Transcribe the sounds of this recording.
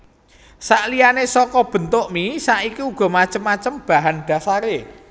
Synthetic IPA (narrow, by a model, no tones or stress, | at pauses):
saʔlijanesɔkɔb̥ə̤nt̪oʔmisaʔikiuɡ̥ɔ̤mat͡ʃəmːat͡ʃəmb̥a̤ɦanɖ̪̥a̤saɾe